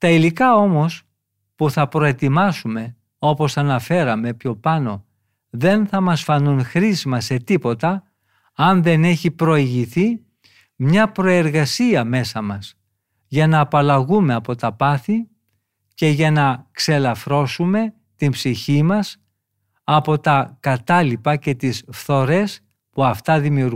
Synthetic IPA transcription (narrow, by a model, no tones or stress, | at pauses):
t̪ɐilikɐo̞mo̞s | puθɐpɾo̞e̞t̪imɐsume̞ | o̞po̞sɐnɐfe̞ɾɐme̞pço̞pɐno̞ | ðe̞nθɐmɐsfɐnunxɾizmɐse̞t̪ipo̞t̪ɐː | nðe̞ne̞çipɾoiʝiθi | mɲɐpɾo̞e̞ɾɣɐsiɐme̞sɐmɐs | ʝɐnɐːpɐlɐɣume̞ɐpo̞t̪ɐpɐθi | ce̞ʝɐnɐkse̞lɐfɾo̞sume̞ | t̪imbsiçimɐs | ɐpo̞t̪ɐkɐt̪ɐlipɐce̞t̪isfθo̞ɾe̞s | puɐft̪ɐðimiuɾ